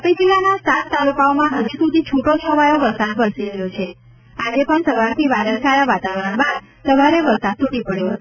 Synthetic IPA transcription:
əpid͡ʒilanasat̪t̪alukaomãɦəd͡ʒusud̪ʱit͡ʃʰoʈot͡ʃʰəʋajoʋəɾsad̪pəɾsiɾəɦjot͡ʃʰe | ad͡ʒepəɳsəʋaɾt̪ʰiʋaɖəlkajaʋat̪aʋɾəɳbad̪ | səʋaɾeʋəɾsad̪̚t̪ʰuʈipəɽjoɦət̪u

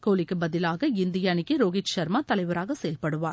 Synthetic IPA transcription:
koːlɪkːɯbɐðɪlaːɣɐɪnd̪ɪjaːnɪkːɯɾoːɣɪt͡ʃʃɐɾmaːt̪ɐlɐɪʋɐɾaːɣɐsɛjɐlpɐɽɯʋaːɾ

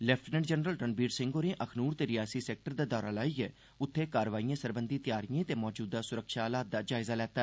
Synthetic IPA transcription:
lɛːpʰʈnɛ̃ɳɖd͡ʒənɾəlʈənbiːɖsɪ̃ŋɡoːɾẽːʔəkʰnuːɾt̪eːɾɪjaːsiːsɛːk̚ʈəɾd̪aːd̪ɔːɾaːlaːiːɛː | ʊt̪ʰːeːkaːɾʋaːijãːsəɾbənd̪iːt̪ɪjaːɾijẽːt̪eːmɔːd͡ʒuːd̪aːsʊɾəkʃaːlaːt̪̚d̪aːd͡ʒaːɪzaːlɛːt̪aː

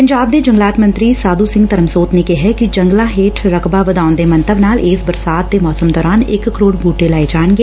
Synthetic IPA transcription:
pəɲd͡ʒaːb̚d̪eːd͡ʒə̃ŋɡlaːt̪mə̃nt̪ɾiːsaːd̪uːsɪ̃ŋɡt̪əɾəmsoːt̪neːkeɦɛkid͡ʒəŋɡlaːɦeːʈʰɾəkbaːʋəd̪aːʊnd̪eːmə̃nt̪əbnaːlɪːsbəɾsaːt̪̚d̪eːmɔːsəmd̪ɔːɾaːnɪkkːəɾoːɽbʱuːʈeːlaːed͡ʒaːnɡeː

